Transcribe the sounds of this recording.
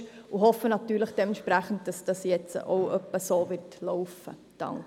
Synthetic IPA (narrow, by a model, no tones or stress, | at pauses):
ʊɦɔfːənɑtːyːɾləχd̥ɛmɛnʃpɾæχən̩d̚d̥ɑsd̥ɑsjɛt͡sə̰ʔo̰ʊœpːəsoːvɪɾtlɔʊfə̰ | d̥ɑ̰ŋk